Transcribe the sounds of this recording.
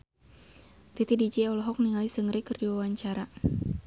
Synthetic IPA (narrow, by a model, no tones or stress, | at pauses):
t̪it̪idid͡ʒeɔlɔɦɔk̚niŋalisəŋɾikərdiwawaɲt͡ʃaɾa